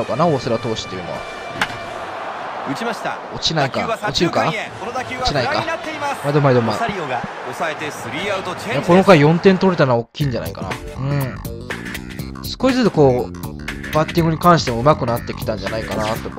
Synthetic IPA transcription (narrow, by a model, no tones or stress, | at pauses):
okanaosɨɾat̪o̞ːɕi̥t̪ːejɯ̟no̰βa̰ | imaɕi̥t̪a | ot͡ɕinaikaot͡ɕiɾɯ̟kaoot͡ɕinaikat̪ːeamaid̪omːaid̪omːaoa | oset̪eijako̞no̞kaijõ̞nt̪ẽnt̪o̞ɾe̞t̪anookʲːĩːɲ̟d͡ʑana̰ikana̰ | ɯ̟̃ɴ | sɨ̥koizɨzɨko̞ː | b̥at̪ʲːĩŋɡɯ̟ɲ̟ikãɰ̃ɕi̥t̪emoɯ̟makɯ̟nat̪ːe̞kʲi̥t̪ãɲ̟d͡ʑanaikanat̪ːe